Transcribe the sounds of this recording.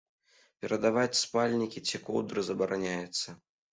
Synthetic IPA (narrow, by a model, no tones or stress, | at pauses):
pʲɛɾɐd̪avat͡sʲspalʲnʲikʲit͡sʲikɔwd̪ɾɨzɐbɐɾanʲajɛt̪sːɐ